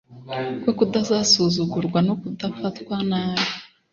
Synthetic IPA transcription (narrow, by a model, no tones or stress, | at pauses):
kwokudazaːsuzuɡuɾɡwanokudafatwanaːβe